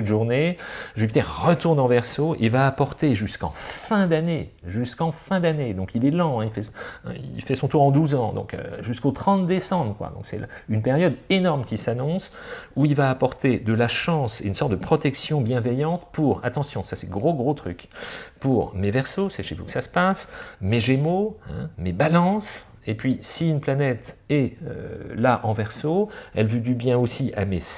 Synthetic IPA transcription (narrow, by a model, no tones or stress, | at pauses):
ut̪ʒuʁneʒypit̪ɛʁʁət̪uʁnɑ̃vɛʁsoʔilvaːpɔʁt̪eʒyskɑ̰̃fɛ̃d̪aneʒyskɑ̃fɛ̃d̪aned̪ɔ̃kilɛlɑ̃ɛ̃ilfɛsɛ̰̃ḭlfɛsɔ̃t̪uʁɑ̃d̪uzɑ̃d̪ɔ̰̃kø̰ʒyskot̪χɑ̃t̪̚d̪esɑ̃bʁəkwa̰d̪ɔ̰̃ksɛ̰l̰ynpeʁjɔd̪enɔʁmkʲisanɔ̃suilvaːpɔʁt̪ed̪əlaʃɑ̃synsɔʁt̪̚d̪əpχɔt̪ɛksjɔ̃bjɛ̃vɛjɑ̃t̪puʁa̰t̪ɑ̃sjɔ̃sasɛɡʁoɡʁot̪χy̰kpuʁmevɛʁsosɛʃḛvṵkə̥sasə̥pasmeʒemoɛ̰̃mebalɑ̃s | epɥisiynplanɛt̪ɛø̰laʔɑ̃vɛʁsoɛ̰lvyd̪ybjɛ̃osiʔa̰mes